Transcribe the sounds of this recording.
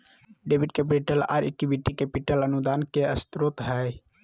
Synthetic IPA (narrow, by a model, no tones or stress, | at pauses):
ɖebʱiɖkepiʈəla̰ɾḛkibiʈikepiʈələnud̪ankeəst̪ɾot̪ɦəj